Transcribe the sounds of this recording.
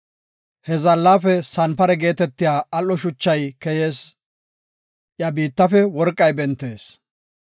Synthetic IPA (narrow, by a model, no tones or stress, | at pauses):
hɛzɐlːaːfɛsɐnpɐɾɛɡe̞ːt̪ɛt̪ːɪjaːɐlːɔʃʊt͡ʃːɐjkɛjeːs | ʔjɐbiːt̪ːɐfɛwɔɾkʼːɐjbɛnt̪ːe̞ːs